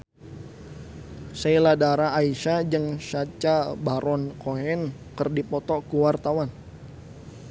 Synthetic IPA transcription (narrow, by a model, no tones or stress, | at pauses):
sailadaɾaːiʃad͡ʒəŋʃat͡ʃabaɾɔnkoɦɛnkərdipɔt̪ɔkuwart̪awan